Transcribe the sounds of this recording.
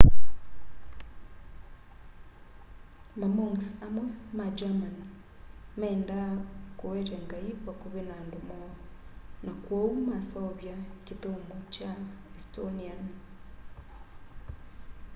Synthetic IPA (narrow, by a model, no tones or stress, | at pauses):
mamɔŋsamwɛmad͡ʒaman | mɛːndakowɛɾɛŋɡaiβwakoβenandomɔ | nakwoumasaɔβjaketomut͡ʃaɛstonian